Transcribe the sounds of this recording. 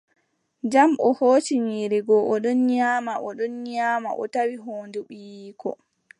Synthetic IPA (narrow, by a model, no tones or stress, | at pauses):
d͡ʒamʔɔhoːt͡ʃiɲiːɾiɡɔʔɔɗɔnɲaːmaʔɔɗɔnɲaːma̰ʔɔ̰tawiɦoːnduɓiːkʰɔ̰